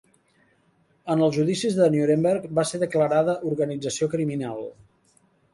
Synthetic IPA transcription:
ənəlˠzʒuðisizðənjuɾembeɾkbaseðəkləɾaðəʔuɾɣənid͡zəsiokɾiminalˠ

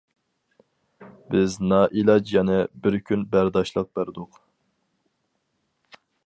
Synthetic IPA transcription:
bɪznɑʔilˠɑd͡ʒjɛnɛbɪɾkʲʰynbæɾd̪ɑʃlˠəq̚bæɾd̪ʊq

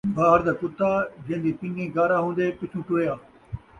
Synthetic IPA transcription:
bʱaːɦəɾd̪akʊt̪ːaːd͡ʒẽːnd̪iːpɪ̃ŋɡĩːɡaːɾaɦũːnd̪epɪt͡ʃʰũːʈʊejaː

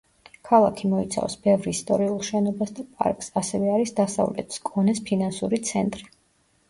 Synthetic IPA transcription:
kʰalˠakʰimɔit̪sʰa̰vsbɛvɾist̪ʼɔ̰ɾiulˠʃɛnɔbasd̪apʼa̰ɾkʼsasɛvɛaɾisd̪asa̰vlɛ̰t̪ʰskʼɔnɛspʰinansuɾit̪sʰɛnt̪ʼɾi

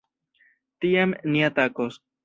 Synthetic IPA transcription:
t̪iamniat̪akos

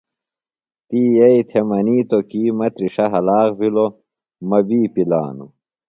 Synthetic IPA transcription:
t̪iːjɐit̪ʰemɐniːt̪okiːmɐt̪ɾiʂɐɦɐlaːɣvilo | mɐbiːpila̰ːnṵ

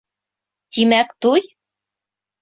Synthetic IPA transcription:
t̪imækt̪uj

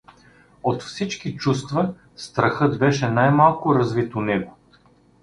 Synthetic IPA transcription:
ot̪fsit͡ʃkit͡ʃust̪vɐ | st̪ɾɐxɤd̪bɛʃɛnajmalˠkʊɾɐzvit̪onɛɡo

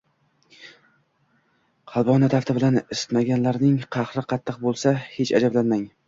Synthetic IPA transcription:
qʰɑlˠbɒnat̪ʰaft̪ɪbɪlanɪsɪ̥t̪maɡʲanlaɾnɪŋqʰɑhɾɪqʰɑt̪ʰːɨqbolˠsahe̞t͡ʃad͡ʒablanmaŋ

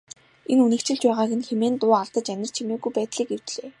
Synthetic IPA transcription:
enunɘ̆kt͡ɕɪ̆ɮt͡ɕpæːʁaːɣɘ̆nxemeːnt̪ʊːaɮt̪ə̆t͡ɕænʲɪ̆r̥t͡ɕʰimeːɡujpæːt̪ɮiːkew̥t̪ɮeː

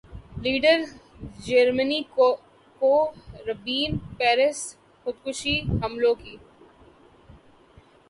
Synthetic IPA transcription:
liːɖəɾ | d͡ʒəɾməni | koɾɐbiːnpɛːɾɪs | xʊd̪kʊʃiɦɐmlõkiː

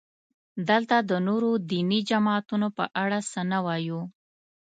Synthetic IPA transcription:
d̪əlt̪ad̪ənoɾod̪inid͡ʒamɑt̪unopə̰ʔaɽasənawɑju

